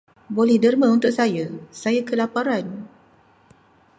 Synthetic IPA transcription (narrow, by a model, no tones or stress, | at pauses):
bolɛhdərmãunt̪ʊk̚sajasajakəlapaɾan